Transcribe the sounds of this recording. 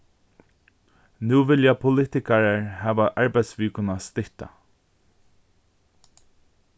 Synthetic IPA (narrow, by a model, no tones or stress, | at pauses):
nuːʋɪljapʰʊlɪt̪ɪkaɹaɹhæːʋaʔɑɹbaj̪sʋiːkʊnast̪ɪht̪a̰